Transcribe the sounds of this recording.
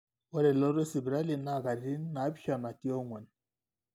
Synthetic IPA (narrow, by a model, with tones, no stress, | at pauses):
wɔ˦ɾɛ˨lɔ˦ɾe˦si˨bɾa˦li˨na˦˨ka˨ɾɾi˦n˦na˨˦bi˦ʃa˨na˨ti˦ɔ˦ŋwɛ˨n